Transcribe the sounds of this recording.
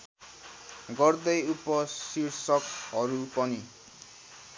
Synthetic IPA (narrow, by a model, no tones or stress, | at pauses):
ɡʌrd̪ʌjupʌsirsʌkɦʌɾupʌni